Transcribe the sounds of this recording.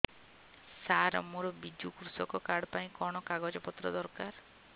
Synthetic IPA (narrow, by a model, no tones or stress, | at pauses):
saɾɔ̰muɾɔbid͡ʒukɾusɔkɔkaɽpaĩkɔɽ̃ɔkaɡɔd͡ʒɔpɔt̪ɾɔd̪ɔɾkaɾ